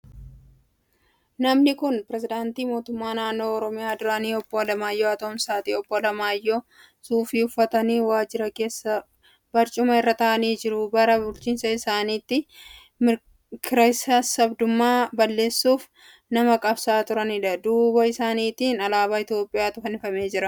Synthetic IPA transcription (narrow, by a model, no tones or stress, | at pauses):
nɐmnɪkʊnpɪɾɛzɪd̪aːnt̪iːmo̞ːt̪ʊmːaːnaːnːo̞ːɔɾɔmɪjaːd̪ʊɾaniːɔbːolɐmaːjːoːɐt̪oːmsaːt̪iːɔbːolɐmaːjːoː | suːfiːʊfːɐt̪ɐniːwaːd͡ʒɪɾɐke̞ːsːɐ | b̥ɐɾt͡ʃʼʊmɐɪrːɐt̪ɐʔɐniːd͡ʒɪɾʊbɐɾɐbʊlt͡ʃiːnsɐɪsaːniːt̪ːɪ | mɪ | kɪɾɐjsaːsɐbd̪ʊmːaːbɐlːe̞ːsːuːf | nɐmɐkʼɐbsaːt̪ʊɾɐnɪᶑɐd̪uːbɐɪsaːniːt̪iːnɐlaːbaːɪt̪jo̞ːpʼːɪjaːt̪ʊfɐnɪfɐme̞ːd͡ʒɪɾɐ